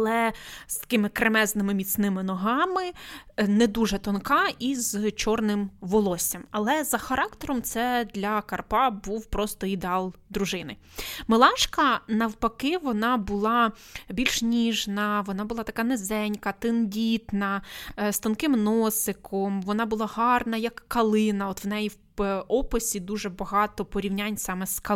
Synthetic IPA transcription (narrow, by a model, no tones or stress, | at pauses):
ɐlˠɛst̪ɐ̥kɪmɪkɾemɛznɪmɪmʲit̪snɪmɪnɔɦɑmɪnɛd̪uʒɛt̪ɔnkɑizt͡ʃɔrnɪmʋɔlˠɔsʲɐmɐlˠɛzɐxɐɾɑkt̪ɔɾɔmt̪sɛd̪lʲɐkɐrpɑbuwpɾɔst̪ɔid̪eɑlˠd̪ɾuʒɪnɪ | mɪlˠɑʃkɐnɐwpɐkɪʋɔnɑbʊlˠɑ | bʲilʲʃnʲiʒnɐʋɔnɑbʊlˠɑt̪ɐkɑnezɛnʲkɐt̪ɪndʲit̪nɐst̪ɐnkɪmnɔsɪkʰɔmʋɔnɑbʊlˠɑɦɑrnɐjɐkːɐlˠɪnɐɔt̪wnɛjiw | ɔpɪsʲid̪uʒɛbɐɦɑt̪ɔpɔɾʲiwnʲanʲsɑmɛskɐ